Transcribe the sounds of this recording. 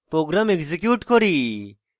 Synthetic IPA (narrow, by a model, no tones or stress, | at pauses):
pɾoːɡɾamekzekjuːʈkɔɾi